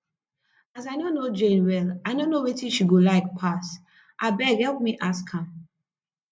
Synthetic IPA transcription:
azaɪnonod͡ʒɛ̃nwɛlaɪnõnːowetĩʃiɡolaɪk̚pʰas | ʔabɛhɛlˠp̚miʔaskʰãm

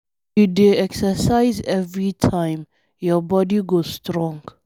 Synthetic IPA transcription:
judeɛksəsajzɛvɹitʰãj̃m | jɔbɔdiɡosstɹɔ̃ŋɡ

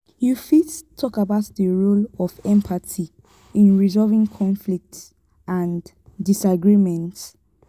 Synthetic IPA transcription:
jufittʰɔkabaʊtðəɹolɔvɛ̃mpʰati | ĩnɹizɔvĩŋkʰɔ̃nflik̚ts | ãn | disaɡɹimɛ̃nt

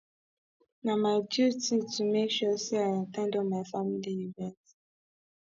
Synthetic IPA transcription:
namaɪdjutitumekʃɔseaatɛ̃ndɔmaɪfamiliuvɛ̃nt

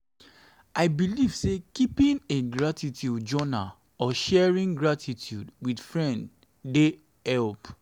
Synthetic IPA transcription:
aɪbiliv̥sekipĩneɡɹatitʰjud͡ʒɔna | ɔʃɛɹĩnɡɹatʰitʰjudwidfɹɛ̃nd | de | hɛlp

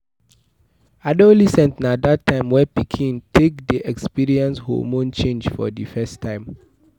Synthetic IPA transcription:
adolisɛ̃ntnadatʰːãɪ̃mwɛpikʰĩntʰek̚diʔɛkspiɹiɛ̃nsho̰mõnt͡ʃẽnd͡ʒfɔ̰difɛstʰːãɪ̃m

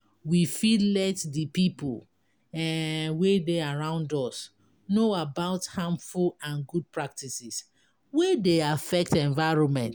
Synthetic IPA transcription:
wifillɛtdipipul | wedeaɹãʊ̃ndɔs | noabaʊthãmfulãnɡud̚pɹak̚tisis | wedeafɛk̚tɛ̃ɱvaɪɹɔ̃nmɛ̃nt

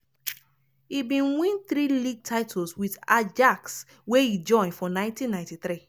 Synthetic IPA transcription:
ibĩnwĩnθɾiliɡ̚tʰaɪtʰolswidad͡ʒaks | weid͡ʒɔ̃ɪ̃nfɔ̃nãɪ̃ntĩnːãɪ̃ntiθɾi

